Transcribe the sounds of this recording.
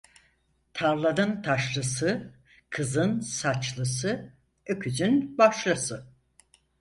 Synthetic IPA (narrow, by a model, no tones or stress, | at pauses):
t̪ʰaɾlˠad̪ɯnt̪ʰaʃlˠɯsɯ | kʰɯzɯnsat͡ʃlˠɯsɯ | økʰyd͡ʒ̪ynbaʃlˠasɯ